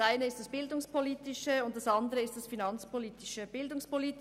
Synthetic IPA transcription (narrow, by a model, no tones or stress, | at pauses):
ʔaɪnəɪst̚d̥asb̥ɪldʊŋspʰoliːtɪʃəʊnt̚d̥asʔɑndəʁəɪstd̥asfinɑnt͡spoliːtɪʃəb̥ɪldʊŋspoliːt